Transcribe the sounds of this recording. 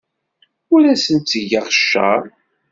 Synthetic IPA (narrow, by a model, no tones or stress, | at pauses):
ʊɾæsənt̪ːəʝəʁʃːa̰ˤ